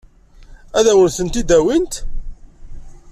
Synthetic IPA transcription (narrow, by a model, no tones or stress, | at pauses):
æðæwənθənt̪id̪æwint̪